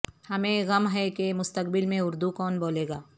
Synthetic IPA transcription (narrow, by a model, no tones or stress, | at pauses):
hɐmẽɣɐmɦɛkemʊst̪əkbɪlmẽʊɾd̪ukɔːnboːleːɡaː